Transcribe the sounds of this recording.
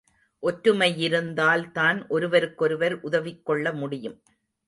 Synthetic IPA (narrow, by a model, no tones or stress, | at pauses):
ʔɔʈɾɯmɐjɪɾɯnd̪aːlt̪aːnʔɔɾɯʋɐɾɯkːɔɾɯʋɐɾʔʊðɐʋɪkːɔɭːɐmʊɽɪjɯm